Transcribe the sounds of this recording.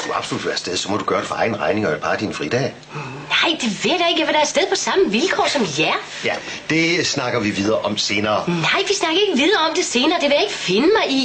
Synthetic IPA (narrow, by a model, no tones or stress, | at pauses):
d̥uɑ̈b̥solud̥ʋæːɐsd̥eð̞ˠsɒ̽mɒd̥uɡ̥ɶɐɾ̥efɒɑ̈ɪn̩əʁɑ̈ɪnɪ̝ŋɒeb̥ɑ̈ːd̥infʁid̥ɛ̰ː | nɑ̈ɪ̰d̥e̝ʋḛd̥ɑe̝ɡ̥jæʋed̥ɑ̈ɐsd̥eðˠpʰɒ̽sɑ̈məʋilkʰɒ̰ːsɒ̽mjæɐ | jæ | d̥e̝snɑ̈ɡ̥ɐʋiʋið̞ˠɐːʔɒ̽mse̝ːnɐːnɑ̈ɪ̰ʋisnɑ̈ɡ̥ɐe̝ɡ̥əʋið̞ˠɐːɒ̽md̥e̝se̝ːnɐːd̥e̝ʋe̝jae̝ɡ̥əfe̝nəmɑ̈ɪi